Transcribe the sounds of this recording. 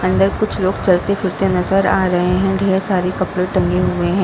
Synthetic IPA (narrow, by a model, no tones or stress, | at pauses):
ɐ̃nd̪əɾkʊt͡ʃʰloːɡt͡ʃɐlt̪efɪɾt̪enɐzəɾaːɾɐɦeɦɛ̃ɖʱeːɾsaːɾekɐpɽeʈɐ̃ŋɡeɦueɦɛ̃ː